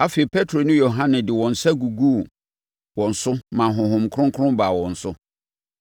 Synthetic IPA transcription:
a˦fe˨i˨pʰɛ˦tʰɾo˨nʊ̃˦jo˨ɦã˦nɪ̃˨dɪ˨wɔ̃˨n̩˨sa˦ɡu˨ɡu˦˨ | wɔ̃˨n̩˨sʊ˦mã˨ɦʊ̃˨ɦʊ̃˨mkʰʊ̃˦ŋ˦kʰɾʊ̃˦mba˨wɔ̃˨n̩˨sʊ˦

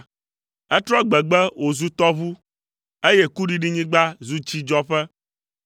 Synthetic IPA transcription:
ɛ˦t̪ɾɔ˦ɡ͡bɛ˨ɡ͡bɛ˦wʔo˨zu˦t̪ɔ˦βu˦ | e˦je˦ku˦ɖi˦ɖi˦ɲĩ˦ɡ͡ba˦zu˦t͡ʃi˦d͡ʒɔ˦ɸɛ˦

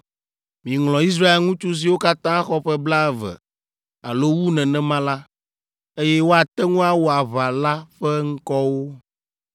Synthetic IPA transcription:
mĩ˨ŋlɔ̃˨i˦s̬ɾa˦e˦lŋũ˦t͡ʃu˦s̬i˨wo˦ka˦t̪ã˦a˦xɔ˦ɸɛ˦bla˦ɛ˨vɛ̰˨ | a˨lo˦wu˦nɛ̃˨nɛ̃˦mã˦la˦ | e˦jɛ˦wo˦a˨t̪ɛ˦ŋũ˦a˨wo˨a˨βa˨la˦ɸɛ˦ŋ̩˦kɔ˦wo˦

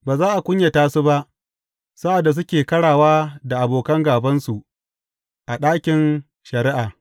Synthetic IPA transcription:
baː˨zaː˦ʔa˨kʷʊ˦ɲja˨taː˦su˦ba˦ʔ | sa˦ʔa˨da˨s̬ʊ˦kʲeː˨kɐ˦ɽaː˨waː˦da˨ʔa˨boː˨kɐ˦ŋɡaː˨bɐ˦nsu˨ʔ | ʔa˨ɗaː˦kʲɪ˨n | ʃɐ˨ɾɪ˦ʔaː˨

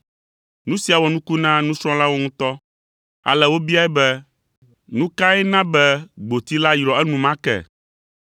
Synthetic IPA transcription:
nũ˦si˨a˨wɔ˨nũ˦ku˦nã˦nũ˦sɾɔ̃˦la˦wo˦ŋũ˦t̪ɔ˦ | a̰˨lɛ˨wo˦bi˦a˦ɛ˦bɛ˦ | nũ˦ka˦ɛ˦nã˦bɛ˦ɡ͡bo˨t̪i˦la˦jɾɔ˨ɛ˦nũ˨mã˦kɛ̰˦˨

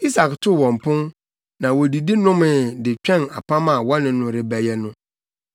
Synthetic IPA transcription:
i˦sa˨ktʰʊ˦˨wɔ̃˨m˨pʰʊ̃˦n | nã˨wɔ˨di˨di˦nʊ̃˦mɪ̃˨dɪ˨t͡ɕᶣɛ̃˦˨na̰˨pʰã˦mã˨wɔ˦nɪ̃˨nʊ̃˦ɾɪ˦bæ˨jɛ˦nʊ̃˦

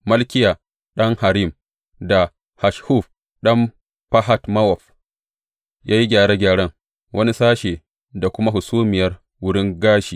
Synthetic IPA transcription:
mɐ˦lkʲɪ˦jaː˨ | ɗɐ˦ŋha˨ɾi˦˨m | da˨ | ha˨ʃhu˦f | ɗɐ˦m | pa˦ɦa˦tmɐ˦wɔ˨ɸ | jaː˦ji˦ɡʲaː˨ɽe˦ɡʲaː˨ɽɐ˦ŋ | wʔɐ˦ni˦saː˦ʃeː˨ | da˨kʷʊ˦ma˦ɦʊ˨suː˦mɪ˨jɐ˦r | wʊ˦ɽɪ˦ŋɡaː˦ʃiː˨

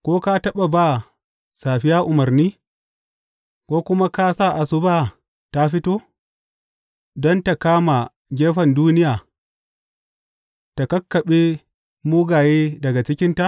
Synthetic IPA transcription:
kʷoː˦ka˦tɐ˦ɓa˨ba˦˨ | saː˨ɸɪ˦jaː˦ʔʊ˨mɐ˨rniː˦ | kʷoː˦kʷʊ˦ma˦ka˦saː˦˨ʔa˨sʊ˦baː˦ | ta˦ɸɪ˦toː˦ | dɔ˦nta˨kaː˦ma˨ | ɡʲeː˦ɸɐ˨nduː˦nɪ˦jaː˨ | ta˨kɐ˦kːɐ˨ɓe˦ | muː˦ɡaː˨jeː˦dɐ˨ɡa˨t͡ʃɪ˦kʲɪ˦nta˦˨ʔ

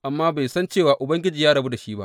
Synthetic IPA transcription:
ʔa˨mːaː˦ba˨jsɐ˦nt͡ʃeː˦˨waː˨ʔʊ˨bɐ˦ŋɡʲɪ˦d͡ʒiː˨jaː˦ɽɐ˨bu˦da˨ʃiː˦ba̰˦

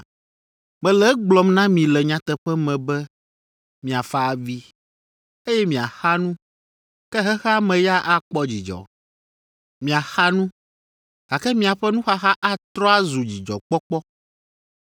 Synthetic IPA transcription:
mɛ̃˨lɛ˦ɡ͡blɔ˨mnã˦mĩ˨lɛ˨ɲã˦t̪ɛ˨ɸɛ˦mɛ̃˨bɛ˦ | mĩ˨a˨fa˦a˨vi˦ | e˦jɛ˦mĩ˨a˨xa˦nũ˦ | kɛ˦ɦɛ˦xmɛ̃˨ja˦ʔa˦k͡pɔ˦d͡ʑi˨d͡ʒɔ̰˨ | mĩ˨a˨xa˦nũ˦ | ɡa˨kɛ˦mĩ˦a˨ɸɛ˦nũ˦xa˦ɦa˦ʔa˦t̪ɾɔ˦a˦zu˨d͡ʑi˨d͡ʒɔ̰˨k͡pɔ˦k͡pɔ˦

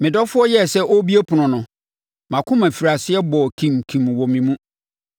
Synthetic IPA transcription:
mɪ̃˨dɔ˦fʊ˦ɔ˦jɛ˦sɛ˦ʔo˦bi˦e˦pʰʊ˨nʊ̃˨nʊ̃˨ | mã˨kʰʊ̃˦mæ̃˨fi˨ɾa˨sɪ˦ɛ˦bɔ˨kʰĩ˨mkʰĩ˨m˨wɔ˨mĩ˨mũ˦

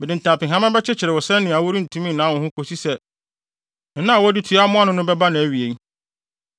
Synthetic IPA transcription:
bɛ˨dɪ̃˨n̩˨tʰã˨pɪ̃˨ɦã˦mɛ̃˦bɛ˦t͡ɕʰɪ˦t͡ɕʰɪ˨ɾɪ˨wɔ˨sɛ̃˦nnɪ̃˨a˨wu˦ɾi˦n̩˨tʰũ˦mĩ˦nãː˨˦wɔ̃˨hʊ̃˦ko˨si˦sɛ˦˨˦ | nã˦˨wɔ˦dɪ˦tʰu˨˦a˦mʊ̃˦a˦nʊ̃˦nʊ̃˦bɛ˦ba˦nã˨æ˨ɥi˨e˨ŋ˦

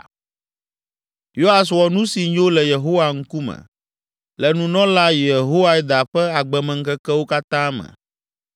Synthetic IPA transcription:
jo˦ɦa˨s̬wɔ˨nũ˦si˨ɲ˦o˦lɛ˨je˨ɦo˦wa˨ŋ̩˦ku˦mɛ̰̃˨ | lɛ˨nũ˨nɔ̃˦la˦je˨ɦo˦wa˦ɛ˦d̪a˨ɸɛ˦a˨ɡ͡bɛ˨mɛ̃˨ŋ̩˦kɛ˦kɛ˦wo˦ka˦t̪ã˦mɛ̰̃˨

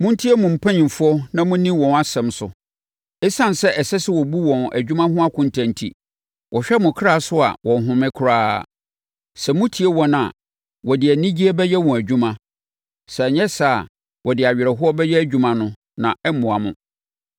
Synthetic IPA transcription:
mʊ̃˦n˦tʰi˦ɛ˦mʊ̃˨m̩˨pʰã˦ɲĩ˨fʊ˦ɔ˦nã˦mʊ̃˦nĩ˦wɔ̃˨na˨sɛ̃˨msʊ˨ | ɛ˦sã˦˨n˨sɛ˦ʔɛ˨sɛ˦sɪ˦wɔ˨bu˦wɔ̃˨næ̰˨d͡ʑᶣu˦mã˦ɦʊ̃˦a˦kʰʊ̃˨n˨tʰã˨n˨tʰḭ˨ | wʔɔ˨ɕᶣɛ˦mʊ̃˨kʰɾa˦˨sʊ˦a̰˨wɔ̃˨n˨ɦʊ̃˨mɪ̃˦kʰʊ˨ɾaː˦ | sɛ˨mʊ̃˦tʰi˨˦e˦wɔ̃˦nã̰˨ | wɔ˨dɪ˨æ˨nĩ˦d͡ʑi˦ɛ˦bɛ˦jɛ˦wɔ̃˨æ˨d͡ʑᶣũ˦mã˦ | sɛ˨ɲɛ̃˦sa˦˨ | wɔ˨dɪ˨a˨ɥᶣɪ˨ɾɛ˨ɦʊ˦ɔ˦bɛ˦jɛ˦æ˦d͡ʑᶣu˨mã˨nʊ̃˦ | nã˨ɛ˦mʊ̃˨a˨mʊ̰̃˨

